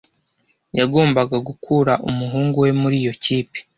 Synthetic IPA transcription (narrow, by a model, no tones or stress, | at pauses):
jaɡo̞ːmbaɡaɡukʰuɾaʔumuɦuːŋɡuwe̞muɾiːjo̞ciːpi̥